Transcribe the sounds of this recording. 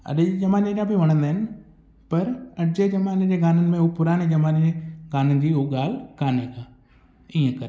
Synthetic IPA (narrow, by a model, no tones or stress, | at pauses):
ɐ̰ɗd͡ʒɐmaːnẽɾãbiʋɐɽ̃ə̃nd̪aːɪnɪ | pɐɾɐd͡ʑed͡ʑɐmaːned͡ʑeɡaːnənɪ̆mẽɦʊpʊɾaːɽ̃ed͡ʑɐmãːneeɡaːnənd͡ʑiːʊɠaːlkaːnekaː | iːə̃kɐɾ